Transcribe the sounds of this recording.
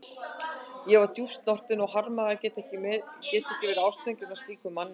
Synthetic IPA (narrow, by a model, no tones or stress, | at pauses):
jɛvaɾt̪ju̥st̪nɔr̥t̪ɪnɔɣhaɾmaðacɛːt̪ɛhcɪmcɛːt̪ɛcɪvɪðaːwst̪ɛɲcʏmast̪liːkʏmːanː